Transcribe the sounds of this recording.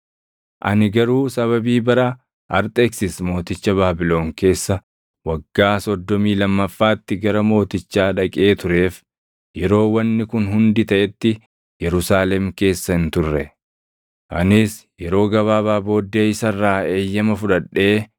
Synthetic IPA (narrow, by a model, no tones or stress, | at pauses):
ʔɐ̰nɪɡɐɾuːsɐβɐbiːbɐɾa | ɐɾt̪ʼeksɪsmo̞ːt̪ɪt͡ʃːɐβaːbɪlo̞ːŋke̞ːsːɐ | wɐɡːaːsɔd̪ːɔmiːlɐmːɐfːaːt̪ːɪɡɐɾɐmo̞ːt̪ɪt͡ʃːaːᶑɐkʼeːt̪ʊɾe̞ːf | jɛɾo̞ːwɐnːɪkʊnɦʊnd̪ɪt̪ɐʔɛt̪ːɪ | jɛɾʊsaːlɛmke̞ːsːɐɪnt̪ʊrːɛ | ʔɐnɪsjɛɾo̞ːɡɐβaːbaːbo̞ːd̪ːe̞ːɪsɐrːaːe̞ːjːɐmɐfʊᶑɐᶑːe̞ː